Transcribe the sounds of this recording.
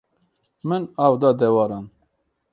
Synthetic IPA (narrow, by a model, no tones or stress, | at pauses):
mɨnawd̪ɑd̪ɛwɑːɾɑn